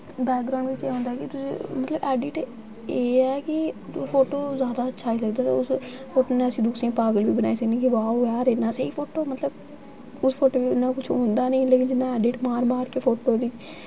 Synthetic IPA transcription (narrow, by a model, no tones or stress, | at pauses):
bɛːk̚ɡɾãːɳɖʋɪt͡ʃeːɦõːnd̪aːkɪt̪ʊsḭ̃ːmət̪ləbɛːɖɪʈ | eːɛːkɪpʰoːʈoːzjaːd̪aːətːʃʰaːiːsəkd̪aːt̪a̰ːʊs | pʰoːʈoːneːəsĩːd̪uːsẽːpaːɡəlʋiːbənaːiːsəknĩːkiʋaːɦoːjaːɾeːnãːseiːpʰoːʈoːmət̪ləb | ʊspʰoːʈoːʋiːʊnːãːkʊt͡ʃʰoːnd̪aːnĩːleːkɪnd͡ʒɪnːãːɛːɖɪʈmaːɾmaːɾkeːpʰoːʈoːd̪iː